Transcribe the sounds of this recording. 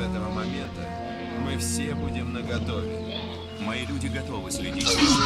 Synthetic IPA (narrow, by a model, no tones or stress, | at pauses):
ɛt̪əvəmɐmʲe̞nt̪ə | mɨfsʲebudʲɪmnəɡɐt̪ovʲɪ̰nɨ | mɐilʲudʲɪɡɐt̪ovɨsʲlʲɪdʲitʲ